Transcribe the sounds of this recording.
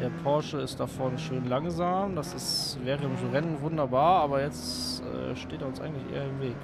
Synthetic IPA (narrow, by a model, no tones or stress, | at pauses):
d̥eːɐpʰɔɐʃəɪstd̥afɔɐnʃøːnlaŋzaːmdasɪsvɛːʁəɪmzuʁɛnn̩vʊndɐbaːɐaːbɐjɛt͡sɛ̰ːʃteːteːɐʊnsʔa̰ɪɡŋ̩tlɪçʔḛːɐɪmveːk